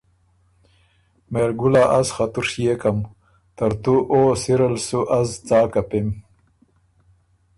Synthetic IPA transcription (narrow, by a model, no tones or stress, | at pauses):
meɾɡulaʔazxat̪uɾʂjekam | t̪əɾt̪uʔosiɾalsuʔazt͡sɑːkapem